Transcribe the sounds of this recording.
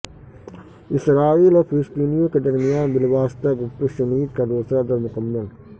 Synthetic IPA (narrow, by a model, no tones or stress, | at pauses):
ɪsɾaːiːlɔːɾpʰlɪst̪iːnijõːked̪ɐɾmijãːbɪlʋaːst̪aɡʊpt̪uʃɐniːd̪kɐd̪oːsad̪ɐɾmʊkɐmːɐl